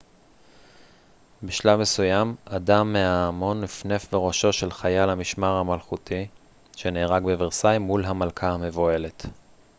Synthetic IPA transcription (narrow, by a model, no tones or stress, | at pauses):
biʃlame̞sujamadamːeaːmo̞nːifne̞fveʁo̞ʃo̞ʃe̞lχajalamiʃmaʁhamalχutʰi | ʃe̞neːʁaɡbeviʁsajmːulɦamalkʰahame̞voe̞le̞t